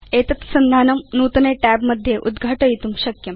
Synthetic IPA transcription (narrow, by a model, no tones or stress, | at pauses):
eːt̪ɐt̪sɐnd̪ʱaːnɐmnuːt̪ɐneʈɛːbmɐd̪ʱjeʔud̪ɡʱaːʈɐjit̪umʃɐkjɐm